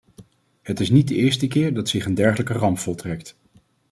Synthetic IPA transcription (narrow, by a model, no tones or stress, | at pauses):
ɦətɪsnid̚dəɪːɹstəkɪːɹdɑtsɪχəndɛɹχələkərɑmpfɔlˠtrɛkt